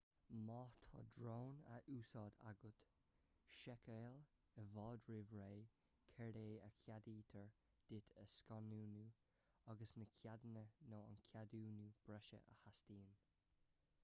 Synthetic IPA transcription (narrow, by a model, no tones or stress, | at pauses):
mɑːt̪ʰɔ̰ːdɾoːnəʔuːsɑːd̪a̰ɡʊt̪ | ʃɛkʰeːl | əvɔːd̪ɹɪvɹeː | kʰɛɾeːəkʰjadiːt̪ʰəɹ | d̪̥ɪt̪ʰəskɔnuːnuː | aɡəsnəkʰjad̪ənənoːa̰nkʰjaduːnuːb̥ɾɛʃə̰ʔə̰hastiːn